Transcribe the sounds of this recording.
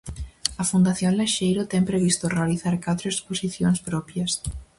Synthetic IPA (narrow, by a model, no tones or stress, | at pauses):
ɐfund̪aθjoŋleʃejɾot̪ɛŋpɾeβ̞ist̪orealiθaɾkat̪ɾoesposiθjoŋspɾɔpjɐs